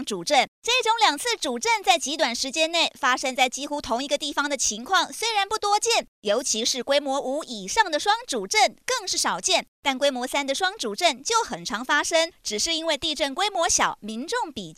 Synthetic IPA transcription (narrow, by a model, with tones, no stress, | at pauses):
ŋʈ͡ʂu˨˩ʈ͡ʂə˥˩nʈ͡ʂa˥˧i˥˩ʈ͡ʂʊ˧˥ŋljɑ˨˩ŋt͡sʰɹ̩˥˩ʈ͡ʂu˨˩ʈ͡ʂə˥˧nt͡sa˥˩ɪt͡ɕi˧˥t̪wa˨˩nʂɻ̩˧˥t͡ɕjɛ˥nne˥˩ɪfa˥ʂə˥ŋt͡sa˥˩ɪt͡ɕi˥xu˥t̪ʰʊ˧˥ŋi˧˥ɡə˧t̪i˥˩fɑ˩ŋd̪ə˨t͡ɕʰi˧˥ŋkʰwɑ˥˩ŋswe˥ɪɻa˧˥npu˥˩t̪wɔ˥t͡ɕjɛ˥˩njo˧˥ʊt͡ɕʰi˧˥ʂɻ̩˥˩kwe˥ɪmwɔ˧˥ʔu˧˥i˨˩ʂɑ˥˩ŋd̪ə˨ʂwɑ˥ŋʈ͡ʂu˨˩ʈ͡ʂə˥˧˩nkɤ˥˧ŋʂɻ̩˥˩ʂɑ˨˩ʊt͡ɕjɛ˥˩nt̪a˥˩nkwe˥ɪmwɔ˧˥sa˥nd̪ə˨ʂwɑ˥ŋʈ͡ʂu˨˩ʈ͡ʂə˥˩nt͡ɕjo˥˩ʊxə˨˩nʈ͡ʂʰɑ˧˥ŋfa˥ʂɤ˥ŋʈ͡ʂɻ̩˨˩ʂɻ̩˥˩i˥nwe˥˧ɪt̪i˥˧ʈ͡ʂə˥˩nkwe˥ɪmwɔ˧˥ɕjɑ˨˩ʊmi˧˥nʈ͡ʂʊ˥˩ŋpi˨˩